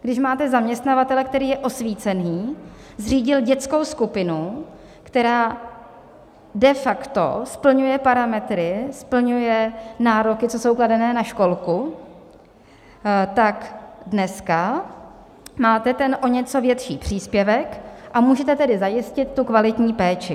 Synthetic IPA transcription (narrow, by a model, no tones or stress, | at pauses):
ɡdɪʃmaːt̪ɛzamɲɛst̪navat̪ɛlɛk̚t̪ɛɾiːjɛʔo̞sviːt͡sɛniː | zr̝iːɟɪlɟɛt̪t͡sko̞wskupɪnu | kt̪ɛɾaː | dɛfakt̪o̰spl̩ɲujɛpaɾamɛt̪ɾɪspl̩ɲujɛnaːɾokɪt͡soso̞wkladɛnɛːnaʃko̞lku | t̪akdnɛska | maːt̪ɛt̪ɛnʔo̞ɲɛt͡so̞vjɛt̪ʃiːpr̝̥iːspjɛvɛkʔamuːʒɛt̪ɛt̪ɛdɪzajɪscɪt̪ːukvalɪt̪ɲiːpɛːt͡ʃɪ